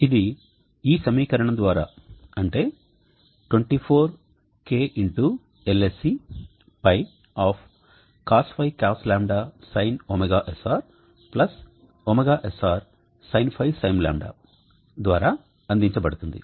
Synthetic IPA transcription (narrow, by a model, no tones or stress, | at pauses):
id̪i | iːsɐmiːkɐɾɐɳɐmd̪ʋaːɾa̰ː | ɐɳʈe̞ː | ʈweɳʈipʰoːɾ | keːʔiɳʈu | elesi | pɐj | aːpʰ | kaːspɐjkaːslaːmɖaːsɐjnomeɡaːʔesaːɾ | plɐs | oːmeɡaːʔesaːɾ | sɐjnipʰɐjsɐjmla̰ːmɖa̰ː | d̪ʋaːɾaː | ɐnd̪iɲt͡ʃɐbɐɽut̪und̪ḭ